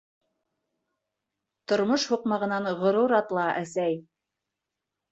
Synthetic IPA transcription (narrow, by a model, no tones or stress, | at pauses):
t̪ŏɾmoʃhuqmɑʁɤ̆nɑɴʁŏɾuɾɑt̪lˠɑʔæsæj